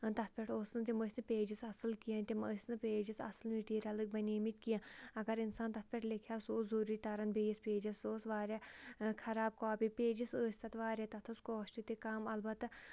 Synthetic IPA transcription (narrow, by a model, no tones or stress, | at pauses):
t̪ɐt̪̚ʰpʲeʈʰoːsnɨt̪iməːsʲnɨpʲeːd͡ʒisɐsɨlkijɐ̃nʲt̪ʲiməːsʲnɨpʲeːd͡ʒisɐ̰sɨlmiʈiːɾʲɐlɨk̚bɐnʲeːmit̪ʲkijãːɐɡɐɾinsaːnt̪ɐt̪̚ʰpʲeʈʰlikʰjaːsoːzuːɾiːt̪ɐɾɐnbeːjispeːd͡ʒɐsoːsʋaːɾʲjakʰɐɾaːb̚kaaːpʲipeːd͡ʒisəːsʲt̪ɐt̪ʰʋaːɾjaːt̪ɐt̪ʰoskoːʃt͡ʃut̪ikaːmɐlbɐt̪